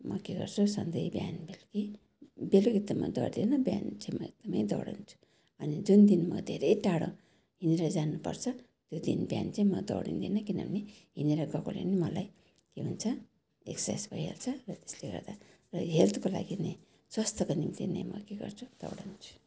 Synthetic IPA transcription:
mʌkeɡʌrt͡sʰusʌnd̪ʌjbjanbelɡi | beluɡit̪ːumad̪ʌ̰ɽd̪enʌbjant͡sajmʌeɡ̚d̪̥ʌmʌjd̪ʌ̰wɽa̰nt͡sʰu̥ | ʌnid͡zund̪inmʌd̪ʱeɾejʈaɽõ̰ | ɦiniɾʌd͡zanːupʌ̰rt͡sʰʌ | t̪jod̪ḭnbja̰nt͡saĩmʌd̪ʌ̰wɽḭnd̪inʌkina̰niɦiniɾʌɡʌko̰lḛnimʌlaj | keɦunt͡sʰʌ | eksḛsbʱʌjɦḛlt͡sʰʌrʌt̪e̥sleɡʌ̰ɾd̪a | rʌɦelt̪kola̰ɡine | swʌst̪ʌkonimt̪inḛmʌ̰keɡʌ̰rt͡sʰud̪̥ʌ̰wɽant͡sʰu̥

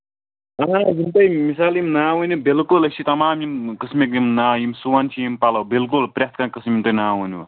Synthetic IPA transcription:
ɐɦazint̪ɐjmisaːljimnaːwunibilkulɐt͡ʃʰit̪ɐmaːmjimkɨsmik̬jimnaːjimsuwɐnt͡ʃʰijimpalɐwbilk̬ulpɾʲat̪ʰkãkɨsmʲimt̪ɐjnaːwuniwɐ

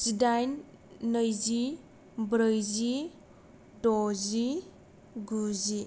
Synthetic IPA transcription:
sidajnːəjzi | bɾəjzi | dɔzi | ɡuzi

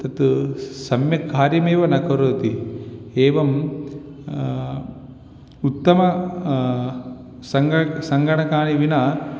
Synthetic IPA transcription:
t̪ɐt̪sɐmjɐkːaːɾjɐmeːʋɐnɐkɐɾoːt̪ieːʋɐm | ut̪ːɐmɐ | sɐŋɡɐsɐŋɡɐɳɐkaːɳiʋinɐ

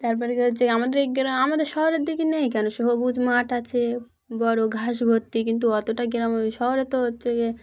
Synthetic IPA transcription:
t̪aɾpɔɾekeɦotːɕʰeamad̪eɾeɡiɾamamad̪eɾʃɔɦoɾeɾd̪ikinɛjk̬ɛnoʃeɦobud͡ʑʱmaʈat͡ɕʰe | bɔɾoɡʱaʃbʱot̪ːikint̪̬uɔt̪oʈaɡiɾamʃɔɦoɾet̪oɦotːɕʰeke

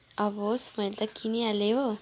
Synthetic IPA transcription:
avosimalt̪akʰiniale

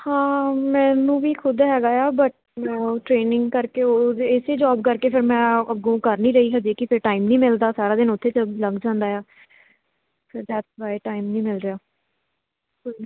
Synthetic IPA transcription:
hãːmɛ̃ːnũːʋiːkʰʊd̪ɦɛːɡaːjaːbəʈ̚ | mɛ̃ːʈɾeːnɪŋɡkəɾkeːoːd̪eɪseːd͡ʒɔːb̚kəɾkeːpʰɪɾmɛ̃ːəɡõːkəɾniːɾəiːɦəd͡ʒeːkɪpʰɪɾʈaːiːmnĩːmɪld̪aːsaːɾaːd̪ɪnʊt̪ʰːeːt͡ʃələɡd͡ʒãːnd̪aːjaː | pʰɪɾd͡ʒɛːt̪baːeːʈaːɪimnĩːmɪlɾɪjaː | koːin

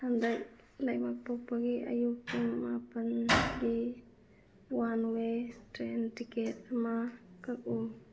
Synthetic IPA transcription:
hand̪aj | lajmapopaɡia̰jukinmapanɡi | wanwet̪ɾent̪iket̪makakʼu

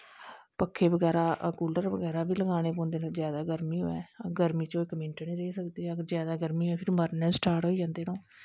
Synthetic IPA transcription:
pəkʰːeːbəɡɛːɾaːkuːlɖəɾʋəɡɛːɾaːbiːləɡaːɽ̃eːpɔ̃ːnd̪eːnaːzjaːd̪aːɡəɾmiːɦo̰ːɛ̰ːɡəɾmiːt͡ʃõːɪkmɪ̃ɳʈəniːɾeːsəkd̪eːɛːkzjaːd̪aːɡəɾmiːɦɛːpʰɪɾməɾnɛːsʈaːɾʈɦoːid͡ʒãːnd̪eːnõː

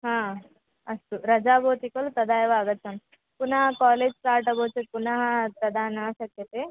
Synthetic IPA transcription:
ɦãː | ɐst̪uɾɐd͡ʒaːbʱoːt̪ikɐlut̪ɐd̪ʱaːjɐʋaːɡɐt̪ːt͡ʃʰɐn | punɐɦɐkaːleːd͡ʒsaːɾʈɐboːt͡ʃɐt̪̚punɐɦɐp̪ɐd̪ʱaːnɐʃɐkjɐt̪e

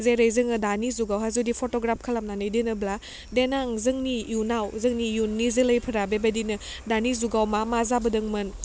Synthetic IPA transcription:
zeɾɐjzɯŋɯdanizuɡawɦazudipʰotoɡɾap̚ʰkʰɐlamnanɯjdinɯbla | denaŋzɯŋnijunawzɯŋnijunːizɯlɐjpʰɯɾabebɐdinɯdanizuɡawmamazabɐdɯŋmɯn

